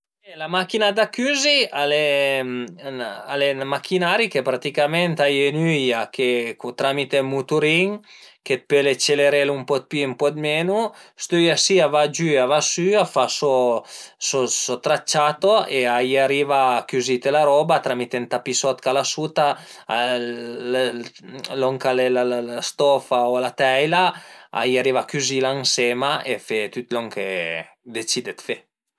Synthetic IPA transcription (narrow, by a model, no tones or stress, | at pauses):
ɛlamakinad̪akyːziale | a̰lemakʰinaɾikepɾat̪ikamɛnt̪ajenyjakekut̪ɾamit̪emut̪uɾiŋket̪̚pølet͡ʃːeleɾelumpɔt̪̚pyempɔd̪menust̪yjasiavad͡ʒyavasyafaso | sosot̪ɾat͡ʃːat̪oeaiaɾivakyzit̪elaɾɔbat̪ɾamit̪ent̪apisɔt̪kalasut̪a | l | lɔŋkalelalalast̪ɔfaolat̪ɛjlaa̰iaɾivakyzilaŋsemaʔefet̪yt̪lɔŋkʰe | d̪et͡ʃid̪et̪fe